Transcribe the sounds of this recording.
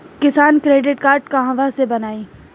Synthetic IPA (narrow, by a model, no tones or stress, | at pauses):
kɪsaːnkɾeːɖɪʈkaːɾʈkaɦãʋasebɐnaːiː